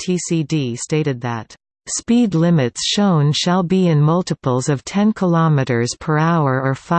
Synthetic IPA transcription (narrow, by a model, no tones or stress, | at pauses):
tʰisidisteɪɾɨd̪̚ðɨt | spidˡlɪ̃mɨtsʃõʊ̃nʃəlˠbiɪ̃nmʌlˠtəpl̩ˠzʌv̥tʰɛ̃nkʰəlɑmɨɾə˞z̥pʰə˞aʊə˞ə˞fa